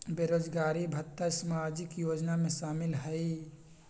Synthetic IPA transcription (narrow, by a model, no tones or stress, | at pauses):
beɾod͡ʒɡaːɾibʱət̪ːasəmad͡ʒɪkjoːd͡ʒnamẽʃaːmɪlɦəi